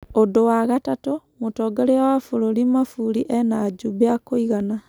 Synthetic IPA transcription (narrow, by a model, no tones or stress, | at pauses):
odowaɣatato | motɔːɡɛɾeawafoɾoɾimafuɾiʔɛnad͡ʒubeakoiɣana